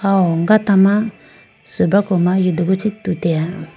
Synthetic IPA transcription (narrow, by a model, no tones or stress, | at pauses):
awɔŋɡatama | sobakɔmaʒiduɡut͡ʃitutɛa